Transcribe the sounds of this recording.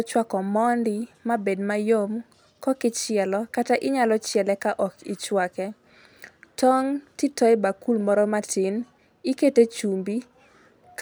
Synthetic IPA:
t͡ʃwakɔmɔndɪmabedmajom | kɔkɪt͡ʃɪɛlɔkataʔɪɲalɔt͡ʃjɛlɛkaʔɔkɪ̰t͡ʃwakɛ | tʰɔŋtitɔɛbakulmɔɾɔmatʰɪn | iketet͡ʃumbi | k

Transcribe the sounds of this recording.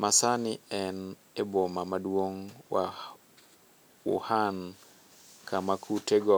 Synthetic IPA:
masanɪɛn | ebomamadwoŋwa | ṵhan | kʰamakʰuteɡɔ

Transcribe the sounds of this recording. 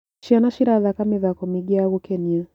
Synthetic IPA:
ʃianaʃiɾaðakamiðakɔmiɡiaɣukɛnia

